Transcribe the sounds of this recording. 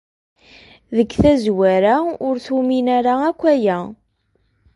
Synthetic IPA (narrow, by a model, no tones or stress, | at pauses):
ðəkːθæzwæɾaʊɾθuminæɾaækʷːæjæ